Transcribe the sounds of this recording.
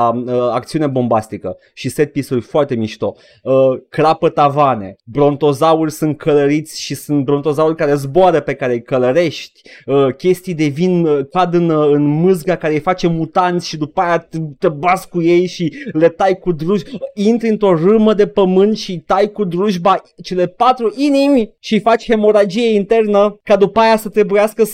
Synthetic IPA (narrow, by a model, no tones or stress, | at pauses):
əak̚t̪siune̞bo̞mbast̪ikə | ʃiset̪̚pisurʲfoart̪e̞miʃt̪o̞ | əkɾapət̪avane̞bɾo̞nt̪o̞zaurʲsunt̪̚kʰələɾit̪sʲʃisunt̪̚bɾo̞nt̪o̞zaurʲkaɾe̞zboaɾəpe̞kaɾejkələɾe̞ʃt̪ʲəkʲe̞st̪ijd̪e̞vinkad̪ɨnɨnmɨzɡakaɾejfat͡ʃe̞mut̪ant̪sʲʃid̪upajat̪ebaskuje̞jʃilet̪ajkud̪ɾuʒint̪ɾɨnt̪ɾo̞rɨməd̪e̞pəmɨnt̪ʃit̪ajkud̪ɾuʒbat͡ʃe̞le̞pat̪ɾuʔinimʲʃifat͡ʃʲhe̞mo̞ɾad͡ʒijeint̪e̞rnəkad̪upajasət̪ɾe̞bujaskə